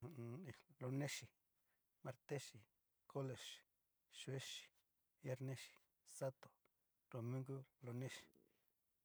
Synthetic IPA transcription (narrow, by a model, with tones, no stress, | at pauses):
lo˧nẽ˦ʃi˨ | ma˨ɾt̪e˦ʃi˨ | ko˦le˨ʃ | ʃe˦ʃi̥˨ | ja˦ɾnẽ˦ʃi̥˨ | sa˦t̪o̥˨ | ɾ̥o˨mĩ˦ŋɡu˦lo˧nẽ˦ʃi̥˨